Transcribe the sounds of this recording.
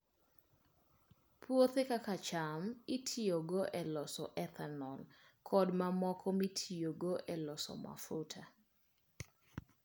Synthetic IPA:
pʰwot̪ekakat͡ʃamitʰioɡoʔɛlɔsɔ̰ʔɛt̪ʰanɔlkʰɔdmamɔkʰɔmitʰijoɡoʔɛlɔsɔ̰ma̰futʰa

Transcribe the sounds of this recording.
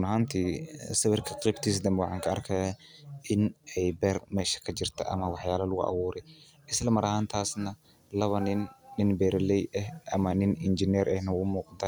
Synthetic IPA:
ʊnɐɦaːnt̪ʰiːsɐβɪrkʰɐqʼiːbt̪ʰiːs̬d̪ɐmɛwɑħɑːŋkʰɐɐrkʰɐja | ʔɪnɛjbɛrmɛːʃɐ̥kʰɐd͡ʒɪrt̪ʰɐ̰ʔɐ̰mɐwɑħjaːlɐlʊɣʊʔɐ̰wuːɾɛ | ʔɪslɐmɐɾɐhaːnt̪ʰaːsnɐ | lɐβɐnɪnːɪnbɛːɾlɛjʔɛhʔɐmɐnɪnɪnd͡ʒɪnɛɾʔɛhnɐwʊmuːqɑnt̪ʰɐ

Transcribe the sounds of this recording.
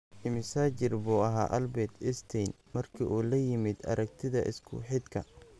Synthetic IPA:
ɪmɪsaːt͡ʃɪrbuːɐɦa̰ːʔɐlbɛːt̪ʰɪst̪ʰɛn | mɐrkʰiʔuːlɐjɪmɪd̪ɐ̰ɾɐk̚t̪ʰɪðɐʔɪ̰skʰʊ̰ħɪd̪kʰɐ̰

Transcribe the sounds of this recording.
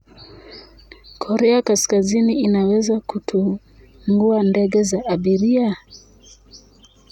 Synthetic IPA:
kʰɔɾɛakaskaziniinawɛzakutʰu | ŋɡuandɛɡɛzaʔaɓiɾia

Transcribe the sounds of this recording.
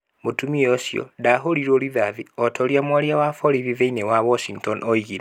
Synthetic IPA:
motumiosjo̰daɦoliɾoliβaviotʰoljamwaljawafoɾiβiveinewaβoʃiŋɡtonoiɣiɾa

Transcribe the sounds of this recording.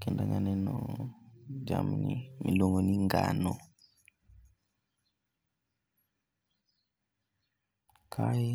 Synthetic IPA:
kɛndaŋanɛnɔ | d͡ʒaminimiloŋɡoniŋɡanɔ | kʰaji

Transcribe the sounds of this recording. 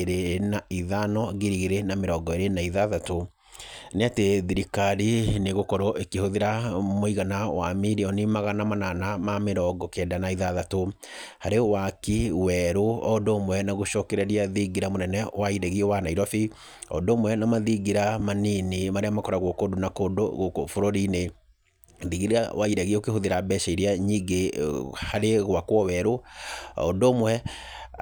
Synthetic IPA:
ɾenaiðanɔɣeɾiɣeɾenameɾɔɡɔeɾenaiðaðato | neateðiɾikaɾineɣokɔɾɔʔekehoðeɾamoiɣanawa̰miɾiɔnimaɣanamananamameɾɔɡɔkɛːdanaiðaðato | haɾewakiwɛɾoɔdoːmwɛnaɣoʃɔkɛɾaɾiaðiɡiɾamonɛnɛwaiɾɛɣiewanaiɾɔfi | ɔ̰ndoːmwɛnamaðiɡiɾamaninimaɾeamakɔɾaɣwɔkodonakodoofoɾoɾine | ðiɣiɾa̰waiɾɛɣiokehoðeɾabɛʃaiɾeaɲiɡehaɾeɣwakwɔwɛɾoɔ̰ndomwɛ

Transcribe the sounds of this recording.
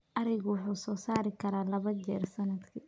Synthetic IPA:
ʔɐɾɛjɣʊwʊħuːsɔːsaːɾɪkʰɐɾaːlɐβɐt͡ʃɛːrsɐnɐd̪kʰiː

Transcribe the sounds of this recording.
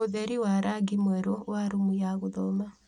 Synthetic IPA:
oðɛɾiwaɾaɡimwɛɾowaɾomujaɣoðɔma

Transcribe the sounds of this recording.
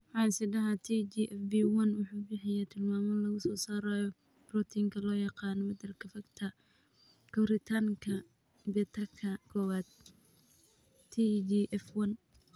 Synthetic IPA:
wħɑːɪsɪdɐɦat̪ʰid͡ʒiʔɛfbiwɐnwɑħuːbɪħɪjat̪ʰɪlmaːmɐlɐɣʊsɔːsaːɾajɔ | b̥rɔt̪ʰiŋkʰɐlɔːjɑqɑːnɔwɐd̪ɐrkʰɐfɐɡt̪ʰɐ | kʰɐbɾɪt̪ʰaːŋkʰɐ | bɛt̪ʰɐkʰɐkʰɔːwaːd̪̥̚ | id͡ʒiʔɛfwɐn

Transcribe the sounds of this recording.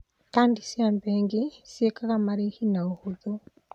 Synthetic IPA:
kaːndisiambɛŋɡisiekakamaɾihinaohuðo

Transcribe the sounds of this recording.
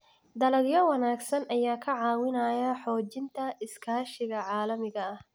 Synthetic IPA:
d̪ɐlɐɡjɐwɐnaːɡsɐnʔɐjaːkʰɐʕɑːwɪnɐjɐħɔːt͡ʃɪnt̪ʰɐʔɪskʰaːʃɪɣɐʕɑːlɐmɪɣɐɐh

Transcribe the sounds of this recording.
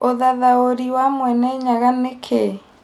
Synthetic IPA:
oðaðaoɾiwamwɛnɛɲaɣanekʰe

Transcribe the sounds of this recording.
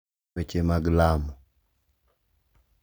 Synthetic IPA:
et͡ʃemaɡlamɔ

